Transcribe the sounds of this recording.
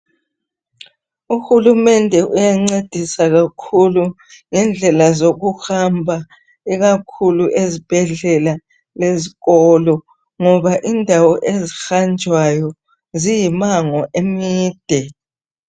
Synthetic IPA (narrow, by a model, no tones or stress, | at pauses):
uxulumɛndʱɛʔujaŋ͡ǀed̥ʱisaɣakʰulu | ŋɛnd͡ɮʱɛlazoɣuxambʱa | iɣakʰuluʔezib̥ʱɛɮɛla | leziɣɔlɔ | ŋɔβaʔindʱawɔʔezixand͡ʒʱwajɔ | zijimaŋɔʔemiːd̥ʱɛ